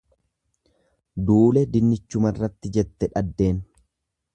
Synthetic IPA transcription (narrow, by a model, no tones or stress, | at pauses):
d̪uːlɛd̪ɪnːɪt͡ʃːʊmɐrːɐt̪ːɪd͡ʒɛt̪ːɛᶑɐd̪ːe̞ːn